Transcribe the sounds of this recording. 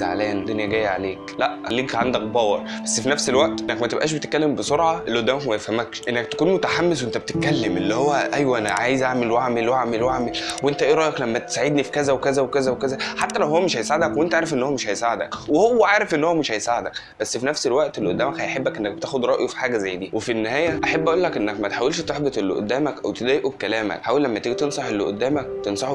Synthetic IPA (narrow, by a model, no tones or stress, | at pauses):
a̰ʕ̰læːænd̪onjæɡæːjːʕa̰leːklæʔʔælːiːkʕand̪æk̚bɑːwɑɾˤbæsːfinæfselwæʔt̪ʔenːækmæt̪ebʔæ̰ːʃ̬bet̪et̪kːælːembesoɾʕɑʔelʔod̪ːæːmækmæjefhæmːækʃʔenːæk̚t̪æ̥kuːnmot̪aħamːes̬weʔent̪æbet̪et̪̚kælːemʔelːihowːæʔæjwæʔænæʕaːjezʔaʕmelwʔaʕmelwʔaʕmelwaʕmelwʔent̪æʔeːɾˤɑʔjɑklæmːæt̪e̥saʕed̪nifi̥kæzæwekæzæwekæzæwekæzæħat̪ːælæwhowːæmeʃhæjsaʕed̪ækweʔent̪æʔaːɾefʔenːhowːæmeʃhæjsaʕed̪æ̰kwehowːæʕaːɾefʔenːhowæmeʃhæjsaʕed̪ækb̥æsːfinæfselwæʔt̪elːʔod̪ːæːmækhæjħebːækʔenːæk̚bet̪æːxod̪ɾˤɑʔjofi̥ħaːɡæzæjːd̪iːwefinːehæːjæʔaħabːæʔuːlːækʔenːækmæt̪e̥ħawelʃt̪eħbet̪ˤʔelːḭʔo̰d̪ːæːmækʔæwt̪ed̪æːjʔubkælæːmæ̰kħaːwælːæmːæt̪iɡit̪ensˤɑħʔelːiʔo̰d̪ːæːmæk̚t̪ensˤɑħo